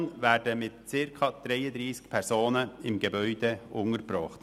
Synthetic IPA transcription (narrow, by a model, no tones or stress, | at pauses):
ŋʋæːdəmɪt̪̚t͡sɪɾkʰɑd̪̥ɾeɪəd̪ɾiːskpʰɛɾsoːnəɪmɡəbœʏd̪əʔʊŋəɾbɾɔχt̪